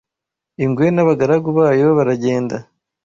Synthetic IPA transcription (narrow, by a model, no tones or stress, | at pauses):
iŋɡwe̞naβaɡaɾaɡuβaːjo̞βaɾaɟe̞ːnda